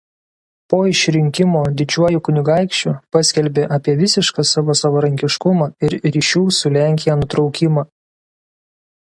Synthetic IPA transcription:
poːɪʃʲɾʲɪŋʲkʲɪmoːd̪ʲɪd͡ʒʲuɔjʊkʊnʲɪɡɑˑɪkʃʲt͡ʃʲupɐsʲkʲɛlʲbʲeʔɐpʲiɛʋʲɪsʲɪʃkɑsɑːʋoːsɐʋɐɾɐŋʲkʲɪʃkʊmɑːɪɾɾʲiːʃʲuːsʊlʲæˑŋʲkʲɪjɛːnʊt̪ɾɒʊkʲɪmɐ

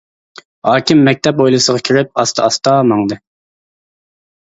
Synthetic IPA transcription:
hɑːkʲɪmːɛk̚ʲt̪ʰɛpojlˠɨsəʁɑkʲʰiɾɪp̚ɑst̪ɑɑst̪ɑːmɑŋd̪ɨ

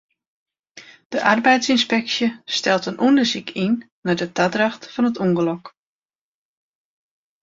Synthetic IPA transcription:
d̥əʔarbɛjtsinspɛksjəstɛlˠtənʔundərsikʰinː | adətadraxtfɔnətuŋɡəlɔk

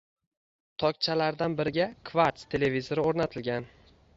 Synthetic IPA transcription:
t̪ʰɒk̚ʲt͡ʃʰalaɾd̪anbɪɾɪɡʲakʰvaɾt̪st̪ʰe̞le̞vizoɾɪoɾnat̪ʰɪlɡʲan

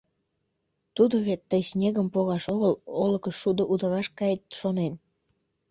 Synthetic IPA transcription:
t̪ud̪oβet̪ːəjsnʲeɣəmpoɣɑʃoɣəloləkəʃːud̪oʔud̪əɾɑʃkɑjet̪ʃonen

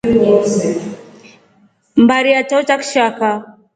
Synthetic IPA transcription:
wɔsɛ | m̩baɾiatat͡ʃakʃaka

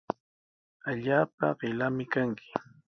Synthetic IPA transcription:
aʎaːp̚a̰ɢɪlamɪkaŋkʰɪ̥

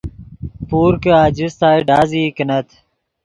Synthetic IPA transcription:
puːɾkəaːd͡ʑɪst̪aːiɖaːziːkənət̪ʰ

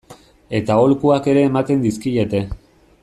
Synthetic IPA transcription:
e̞t̪ao̞lkuake̞ɾe̞ːmat̪e̞nd̪iskiʎe̞t̪e̞

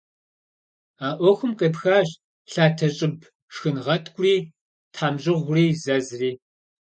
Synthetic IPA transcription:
aːʔʷɔxʷʊmqeːpxaːɕʼ | ɬaːtʰɐɕʼɪb | ʂxɨnʁɐtʰɡʷʼʊriː | tʰħaːmʑɪʁʷriːzɐzriː

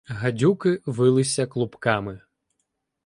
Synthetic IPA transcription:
ɦɐdʲukɪʋɪlˠɪsʲɐklˠʊpkamɪ

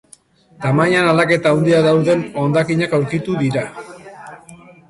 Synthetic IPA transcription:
t̪amajanalake̞t̪aund̪iaðawðe̞no̞nd̪akiɲakawɾkit̪uðiɾa

